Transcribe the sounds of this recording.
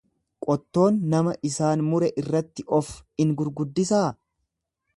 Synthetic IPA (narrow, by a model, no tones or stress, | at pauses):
kʼɔt̪ːo̞ːnːɐmɐʔɪsaːnmʊɾɛʔɪrːɐt̪ːɪʔɔfɪŋɡʊɾɡʊd̪ːɪsaː